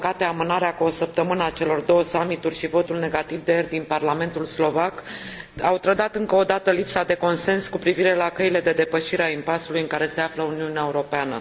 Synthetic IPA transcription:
kat̪eamɨnaɾeakuo̞səp̚t̪əmɨnəat͡ʃe̞lo̞rd̪o̞wəsamit̪urʲʃivo̞t̪ulne̞ɡat̪ivd̪ejerd̪inparlame̞nt̪ulslo̞vakawt̪ɾəd̪at̪ɨŋkəod̪at̪əlipsad̪e̞ko̞nse̞nskupɾiviɾe̞lakəile̞d̪e̞d̪e̞pəʃiɾeaimpasulujɨŋkaɾe̞se̞afləuniuneaeuɾo̞peanə̰

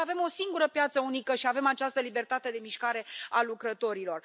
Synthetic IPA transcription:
ave̞mo̞siŋɡuɾəpjat̪səunikəʃiave̞mat͡ʃast̪əlibe̞rt̪at̪e̞d̪e̞miʃkaɾe̞alukɾət̪o̞ɾilo̞r

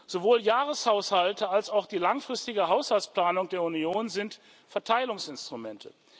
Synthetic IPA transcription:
z̥ovoːljaːʁəshaʊshaltəalsaʊxd̥iːlaŋfʁ̥ɪstɪɡəɦaʊshalt͡sspl̥aːnʊŋdeːɐunjoːnzɪnt | fɛɐtʰaɪlʊŋsɪnstʁ̥umɛntʰə̰

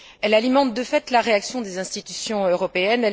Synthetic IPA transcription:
ɛlalimɑ̃t̪̚d̪əfɛt̪laʁeaksjɔ̃d̪ezɛ̃st̪it̪ysjɔ̃øʁɔpeɛnɛ

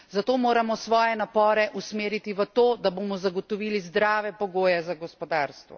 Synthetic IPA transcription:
zat̪oːmoːɾamɔsʋɔːjɛnapɔːɾɛʔusmeːɾit̪iʋət̪oːd̪aboːmɔzaɡɔt̪ɔʋiːlizd̪ɾaːʋɛpɔɡoːjɛzaɡɔspɔd̪aːɾst̪ʋɔ̰

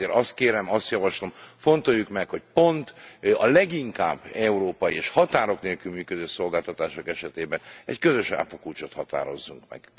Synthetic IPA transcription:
eːɾɒst̪keːɾɛmɒst̪jɒvɒʃlo̞mfo̞nt̪o̞jːukmɛkho̞c̚po̞nt̪ɒlɛɡiŋka̰ːbːɛuɾoːpɒjieʃhɒt̪aːɾo̞kneːlkylmyːkød̪øːso̞lɡaːlt̪ɒt̪aːʃokɛʃɛt̪eːbɛnɛ̰ckøzø̞ʃa̰ːpokuːt͡ʃot̪hɒt̪a̰ːɾo̞̰zːuŋkmɛ̰ɡ̥

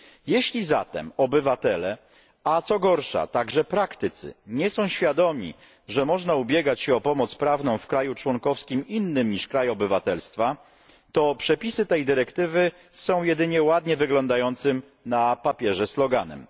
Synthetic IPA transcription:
jɛɕlʲiza̰t̪ɛ̰mɔbɘvat̪ɛlɛ | at̪sɔɡɔɾʂa̰t̪aɡʐɛpɾakt̪ɘt̪sɘ̰ɲɛsɔ̃w̃ɕfʲjad̪ɔmʲḭ | ʐɛmɔʐnaubʲjɛɡat͡ɕɕɛɔpɔmɔt̪spɾavnɔ̃w̃fkɾajut͡ʂwɔŋkɔfskʲiminːɘmɲiʂkɾajɔbɘvat̪ɛlst̪fa | t̪ɔpʂɛpʲisɘt̪ɛjd̪ɘɾɛkt̪ɘvɘ | sɔ̃w̃jɛd̪ɘɲɛwad̪ɲɛvɘɡlɔnd̪ajɔnt̪sɘm | napapʲjɛʐɛslɔɡanɛ̰m

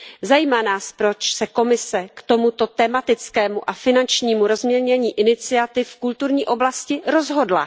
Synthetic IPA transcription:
zajiːmanaːspɾo̞t͡ʃsɛko̞mɪsɛkt̪o̞mut̪o̞t̪ɛmat̪ɪt͡skɛːmuʔafɪnant͡ʃɲiːmuɾo̞zmɲɛlɲɛɲiːʔɪnɪt͡sɪat̪ɪfkult̪uɾɲiːʔo̞blascɪɾo̞zɦo̞dla̰

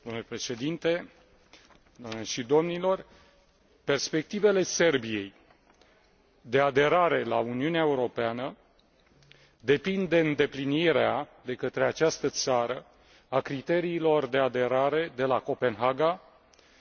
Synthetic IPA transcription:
d̪wamnulepɾe̞ʃe̞d̪int̪e̞ | d̪ameʃid̪o̞mnilo̞r | pe̞rspe̞k̚t̪ive̞le̞se̞rbije̞j | d̪e̞ad̪e̞ɾaɾe̞launiuneaeuɾo̞peanə | d̪e̞pind̪e̞ɨnd̪e̞pliniɾead̪e̞kət̪ɾe̞at͡ʃast̪ət̪saɾə | akɾit̪e̞ɾiːlo̞rd̪e̞ad̪e̞ɾaɾe̞d̪e̞lako̞pe̞nɦaɡa

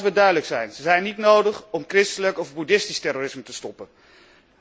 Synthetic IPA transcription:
ʋədœɥdələksɛjnzəzɛjnːitnowdəχɔmkrɪstələkɔvbudɪstistɛroːrɪsmətəstɔpən

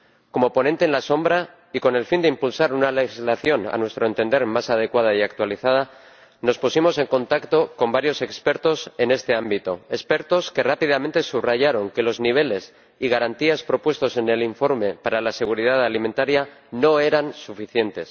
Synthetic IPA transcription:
ko̞mo̞po̞nẽnt̪eːnlaso̞mbɾa | iko̞ne̞lfind̪eimpulsaɾunale̞xizlaθjo̞na̰nwe̞st̪ɾo̞e̞nt̪e̞nd̪e̞ɾmasað̞e̞kwað̞aiakt̪waliθað̞a | no̞spusimo̞se̞ŋkõ̞nt̪akt̪o̞ko̞mbaɾjo̞se̞kspe̞ɾt̪o̞se̞ne̞st̪e̞ambit̪o̞e̞spe̞ɾt̪o̞ske̞rapið̞amẽ̞nt̪e̞suβraʝaɾo̞ŋke̞lo̞zniβ̞e̞le̞s | iɣ̞aɾant̪iaspɾo̞pwe̞st̪o̞se̞ne̞liɱfo̞ɾme̞paɾalase̞ɣ̞uɾið̞aðaliment̪aɾjano̞e̞ɾansufiθje̞nt̪e̞s

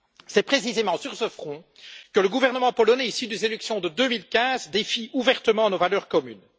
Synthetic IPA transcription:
sɛpχesizemɑ̃syʁsəfχɔ̃ | kələɡuvɛʁnəmɑ̃pɔlɔnɛisid̪yzelyksjɔ̃d̪əd̪ømilkʲɛ̃zd̪efiuvɛʁt̪əmɑ̃novalœːʁkɔmyn

